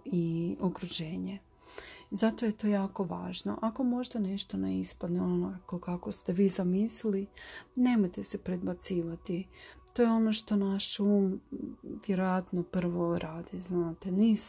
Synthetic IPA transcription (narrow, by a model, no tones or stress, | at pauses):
iokɾuʒe̞ːɲe | zat̪o̞jet̪o̞ːjaːko̞ʋa̰ːʒno̞̰ʔako̞mo̞ʒd̪ane̞ʃt̪onḛispad̪neonoakokako̞st̪eʋiːzamisliline̞ːmojt̪esepɾe̞d̪̚bat̪siːʋat̪it̪o̞ːjeo̞no̞ʃt̪o̞naʃuːm | ʋje̞ɾojat̪nopr̩ʋo̞ɾʔaːd̪iznaːt̪eniːs